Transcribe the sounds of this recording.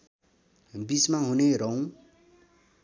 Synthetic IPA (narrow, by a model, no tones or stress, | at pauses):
bismaɦuneɾʌw̃